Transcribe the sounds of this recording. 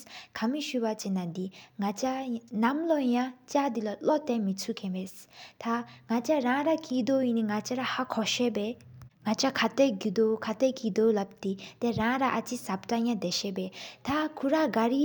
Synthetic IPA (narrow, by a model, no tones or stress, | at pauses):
kʰɐmiʃuβat͡ʃɛnad̪iŋat͡ʃanɐmlɔjãt͡ʃad̪ilɔlɔt̪ɛmit͡sʰukʰɛ̃mɛst̪ʰaŋat͡ʃaɾãɾakid̪oiniŋat͡ʃaɾahakʰɔʃɛbɛŋat͡ʃakʰat̪ɛɡid̪okʰat̪ɛkid̪olɐb̚t̪it̪ɛɾãːɾaʔat͡ʃisɐbʈajãd̪ɛʃɛbɛt̪ʰakʰuɾaɡaɾi